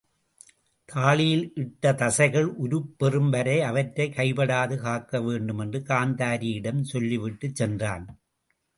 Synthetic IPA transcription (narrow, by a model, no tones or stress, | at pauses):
t̪ʰaːɭɪjɪlʔɪʈːɐt̪ɐsɐɪɣɐɭʔʊɾɯpːɛrɯmʋɐɾɐɪɐʋɐʈɾɐɪkɐɪbɐɽaːðɯkaːkːɐʋeːɳɖɯmɛndrɯkaːnd̪aːɾijɪɽɐmsɔlːiʋɪʈːɯt͡ʃːɛndra̰ːn